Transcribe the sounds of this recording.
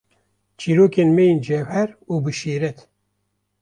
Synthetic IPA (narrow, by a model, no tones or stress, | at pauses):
t͡ʃʰiːɾoːkeːnmɛjend͡ʒɛvhɛɾuːbɨʃeːɾɛt̪